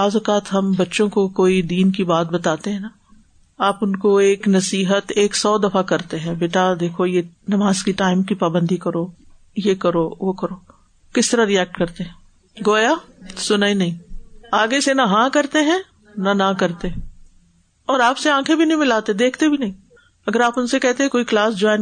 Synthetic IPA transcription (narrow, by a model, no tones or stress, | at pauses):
aːzokaːt̪ɦɐmbɐtːʃõkokoːid̪iːnkibaːt̪̚bɐt̪aːt̪eɦɛ̃na | aːpʊnkoeːknɐsiːɦət̪eːksɔːd̪ɐfakɐɾt̪eɦɛ̃beːʈad̪eːkʰojenɐmaːzkiʈaːɪmkipaːbə̃nd̪ikɐɾoː | jekɐɾoːʋokɐɾoː | kɪst̪ɐɾaɾiɛːk̚ʈkɐɾt̪eɦɛ̃ː | ɡoːjasʊnaːinɐɦĩːaːɡesenaɦãːkɐɾt̪eɦɛ̃ | nanakɐɾt̪eɛ̃ | ɔːɾaːpseãːkʰẽbʱinɐɦĩmɪlaːt̪ed̪eːkʰt̪ebʱinɐɦĩː | ɐɡəɾaːpʊnsekɛɦt̪eɦɛ̃koːiklaːsd͡ʒɔɪn